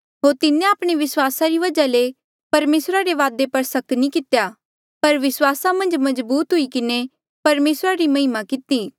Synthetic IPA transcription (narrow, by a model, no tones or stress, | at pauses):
ɦoːɾt̪ɪnẽaːpɽ̃eʋɪswaːsaɾiʋɐd͡ʒale | pɐɾmeːsɾaɾeʋaːd̪epɐɾsɐknĩkɪt̪jaː | pɐɾʋɪswaːsamɐ̃nd͡ʒmɐzbuːt̪ɦʊikɪne | pɐɾmeːsɾaɾimɐɦɪmakɪt̪iː